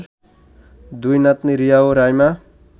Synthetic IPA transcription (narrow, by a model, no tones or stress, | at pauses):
d̪ujnat̪niɾijaoɾajma